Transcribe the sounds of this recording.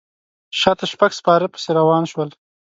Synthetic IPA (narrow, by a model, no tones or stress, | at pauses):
ʃɑt̪aʃpaɡspɑɾəpə̥seɾawɑːnʃwəl